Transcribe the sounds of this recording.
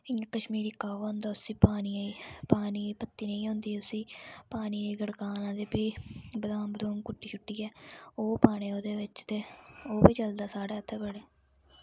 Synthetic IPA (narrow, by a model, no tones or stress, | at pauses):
ɪŋkəʃmiːɾiːkaːʋaːʊ̃nd̪aːʊsĩːpaːniːiːpaːniːpət̪ːiːnə̃ĩːɦʊ̃nd̪iːʊsĩːpaːniːeiːɡəɽkaːnãːd̪eːbiːbəlãːbd̪oːŋkʊʈːiːt͡ʃʰʊʈːiːɛːoːpaːɽeːoːd̪eːʋɪt͡ʃt̪eːoːbiːt͡ʃəld̪aːsaːɽeːət̪ʰːebəɽeː